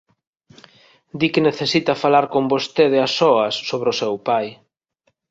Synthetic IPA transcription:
d̪ikɪneθesit̪ɐfalaɾkombost̪eð̞easɔɐsːoβɾosɛwpaj

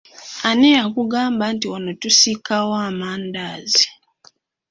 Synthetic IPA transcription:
anɛjakuɡambantiwanɔtusikawamandazi

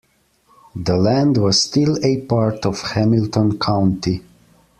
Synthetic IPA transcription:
ðəlæ̃ndwɔzstɪlepaɹtɔv̥hæmiltɔ̃nkʰãʊ̃nti

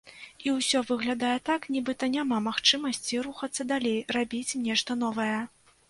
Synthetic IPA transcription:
iwsʲɔvɨɣlʲad̪ajɛt̪aknʲibɨt̪ɐnʲamamaxt͡ʂɨmɐsʲt͡sʲiɾuxɐt̪sːɐd̪alʲejrabʲit͡sʲnʲɛʂt̪ɐnɔvɐjɛ

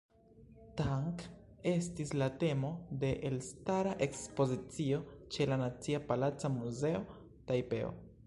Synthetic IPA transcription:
taŋk | e̞stislate̞mo̞de̞ʔelstaɾaʔe̞kspo̞zit͡sio̞t͡ʃe̞lanat͡siapalat͡samuze̞o̞ | tajpe̞̰o̰

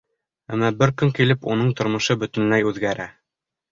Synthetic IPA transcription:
æmːɑbɘɾkɵŋkilɘpunɤɴt̪ŏɾmɤ̆ʃɤbɵ̆t̪ɘ̆nlæjʉðɡæɾæ

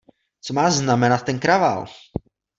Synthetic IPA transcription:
t͡somaːznamɛnat̪̚ːɛnkɾava̰l

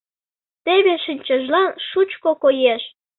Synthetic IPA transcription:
t̪eβeʃənʲt͡ɕəʒlɑnʃut͡ɕkokojeʃ

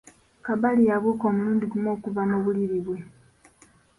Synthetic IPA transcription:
kaβalijaβokoːmuluːndiɡumo̞ːkuvamuβuliɾiβwe̞

